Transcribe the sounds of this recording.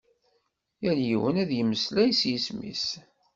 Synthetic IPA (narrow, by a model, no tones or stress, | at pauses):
jæljiwənæðjəmːəslæjsjismḭs